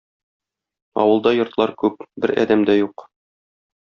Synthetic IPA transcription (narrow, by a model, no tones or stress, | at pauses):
ɒ̰wɤ̆lˠd̪ɑjŏɾt̪lˠɑɾkʉpbɘɾæ̰d̪æmd̪æjuq